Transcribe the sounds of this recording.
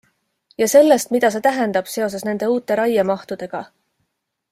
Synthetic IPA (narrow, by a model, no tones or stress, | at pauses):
jɑse̞lːe̞st̪̚mid̪ɑs̬e̞ːt̪æɦe̞nd̪̥ɑb̥se̞o̞s̬e̞sne̞nd̪̥e̞uːt̪ːˑe̞ɾɑjɑmɑht̪ud̪̥e̞ɡ̥ɑ